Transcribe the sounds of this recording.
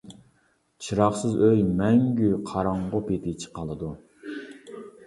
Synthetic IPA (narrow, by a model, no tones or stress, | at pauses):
t͡ʃʰiɾɑχsɨzøjmɛŋɡʲyqʰɑɾɑɴʁopet̪ʰɪt͡ʃʰə̥qɑlˠɨd̪u